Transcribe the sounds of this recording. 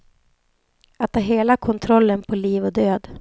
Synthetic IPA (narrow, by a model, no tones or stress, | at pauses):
at̪ʰːɑːɦeːlakʰɔnt̪ʰɾɔlːənpʰɔliːvɔd̪øːd̪